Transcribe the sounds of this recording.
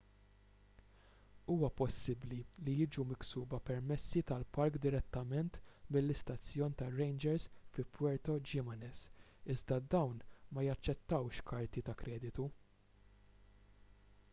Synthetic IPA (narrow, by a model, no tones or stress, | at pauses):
uːwɐpɔsːɪblilijɪːd͡ʒumɪksuːbɐpɛɾmɛsːit̪ɐlpɐɾkd̪ɪɾɛt̪ːɐmɛnt̪mɪlːɪst̪ɐt͡sːjɔːnt̪ɐɾɛjnd͡ʒɛɾsfɪpʰːwɛɾt̪ɔd͡ʒɪmɐnɛs | ɪzd̪ɐd̪ɐwnmɐjɐt͡ʃːɛt̪ːɐwʃkʰɐɾt̪it̪ɐkɾʔɛːd̪ɪt̪u